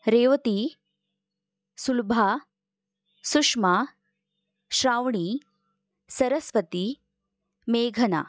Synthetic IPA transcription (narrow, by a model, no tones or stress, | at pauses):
ɾeːʋɐt̪i | sulbʱaː | suʂma | ʃɾaːʋɳi | sɐɾɐsʋɐt̪i | meːɡʱɐna̰